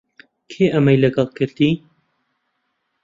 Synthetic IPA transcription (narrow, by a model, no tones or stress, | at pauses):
kʰeːʔɐmɐjlɐɡɐlˠkʰɨɾd̪iː